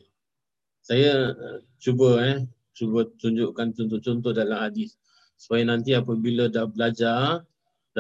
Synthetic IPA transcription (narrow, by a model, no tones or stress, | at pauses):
saja | t͡ʃubəɛ | t͡ʃubət̪uɲd͡ʒuʔkant͡ʃɔnt̪ʊht͡ʃɔnt̪̬ʊhdalamhadɪs | sə̥pajanãnt̪iapəbilədahbəlad͡ʒa | da